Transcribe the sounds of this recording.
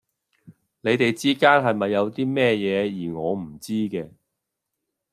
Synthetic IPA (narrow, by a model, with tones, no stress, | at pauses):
ne˨˧jt̪e˨jt͡siː˥kaː˥nɦɐ˨jmɐ˨jːɐ˨˧wt̪iː˥mɛː˥jɛː˨˧jiː˨˩ŋɔː˨˧m̩˨˩t͡siː˥kɛː˧